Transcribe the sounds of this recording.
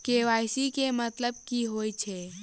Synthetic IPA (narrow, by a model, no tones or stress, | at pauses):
keʋajsikemət̪ləb̚kiɦojt͡ʃʰe